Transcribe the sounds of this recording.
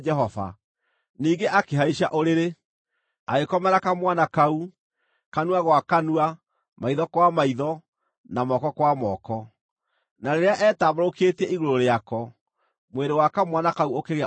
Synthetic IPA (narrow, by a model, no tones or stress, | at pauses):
d͡ʒɛɦɔva̰ | niːɡeʔakeɦaiʃaʔoɾeɾe | aɣekɔmɛɾakamwanakau | kanuaɣwakanua | maiðɔkwamaiðɔ | namɔkɔkwamɔkɔ | naɾeɾeaʔɛːtaboɾoketɛiɣoɾoɾeakɔ | mweɾewakamwanakauokeɣe